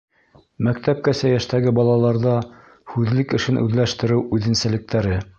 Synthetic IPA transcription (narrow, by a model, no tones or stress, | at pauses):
mækt̪æp̚kæsæjæʃt̪æɡɘbɑlˠɑlˠɑɾðɑ | hʉðlɘkɘ̆ʃɘnʔʉ̰ðlæʃt̪ɘ̆ɾɘwʉðɘ̆nsælɘ̆k̚t̪æɾɘ